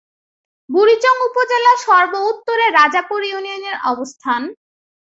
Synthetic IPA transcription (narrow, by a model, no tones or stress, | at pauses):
buɾid͡ʑoŋupod͡ʑelaʃɔɾbout̪ːoɾeɾad͡ʑapuɾijunioneɾɔbost̪ʰan